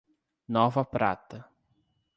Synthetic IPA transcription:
nɔvɐpɾa̰t̪ɐ

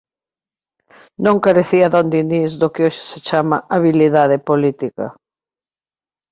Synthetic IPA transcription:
nõŋkaɾeθiɐðond̪inizðokɪoʃɪ̥set͡ʃamaʔaβiliðaðepolit̪ikɐ̰

